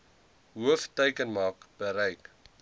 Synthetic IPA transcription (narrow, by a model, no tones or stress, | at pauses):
ɦuəftəjkənmɑːkb̥əɾɛjk